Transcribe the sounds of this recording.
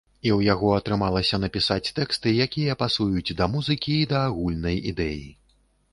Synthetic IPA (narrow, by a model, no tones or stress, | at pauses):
iwjaɣɔɐt̪ɾɨmalˠɐsʲɐnɐpʲisat͡sʲt̪ɛkst̪ɨjakʲijɐpasujut͡sʲd̪ɐmuzɨkʲiːd̪ɐːɣulʲnɐjid̪ɛji